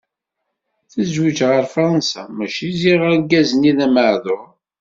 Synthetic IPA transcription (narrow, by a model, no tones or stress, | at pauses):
θəzwit͡ʃʁəɾfɾˤɑnsa̰mæʃiziʁəɾɡæzəniðæməʕðoʁ